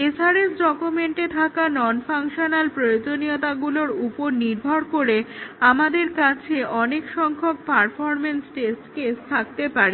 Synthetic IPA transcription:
esaɾesɖɔkumeɳʈet̪ʰakanɔnfaŋʃonalpɾojod͡ʑoniot̪aɡuloɾupoɾniɾbʱɔɾkoɾeamad̪eɾkat͡ɕʰeʔɔnekʃɔŋkʰok̚paɾfɔɾmensʈesʈkest̪ʰak̚t̪epaɾe

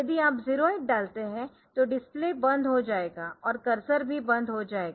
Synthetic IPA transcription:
jɐd̪iaːpziːɾoːɪʈ̚ɖaːlt̪eɦɛ̃ | t̪oɖɪspleːbɐ̃nd̪ɦod͡ʒaːeːɡaɔːɾkɐɾsəɾbʱibɐ̃nd̪ɦod͡ʒaːeːɡaː

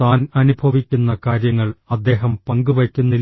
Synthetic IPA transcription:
aːnɐnubʱɐʋikʲːunːɐkaːɾjɐŋːɐɭɐd̪ːe̞ːɦɐmpɐŋɡuʋɐkʲːunːi

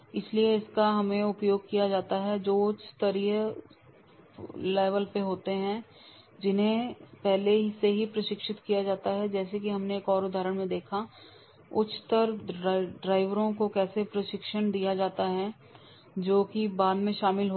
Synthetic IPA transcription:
ɪslieɪskaɦɐmẽʊpjoːɡ̚kijad͡ʒaːt̪aɦɛd͡ʒoːʊt͡ʃʰt̪əɾiɦə | lɛːʋəlpeɦoːt̪eɦɛ̃ | d͡ʒɪnɦẽpɛɦleɦiseɦipɾɐʃɪkʃɪt̪kijad͡ʒaːt̪aɦɛd͡ʒɛːsek̬iɦɐmneːkɔːɾʊd̪ʱaːɾəɽ̃mẽd̪eːkʰa | ʊt͡ʃʰt̪əɾɖɾaːɪʋɾõkokɛːsepɾɐʃɪkʃəñd̪ijad͡ʒaːt̪aɦɛ | d͡ʒoːkibaːd̪mẽʃaːmɪlɦo

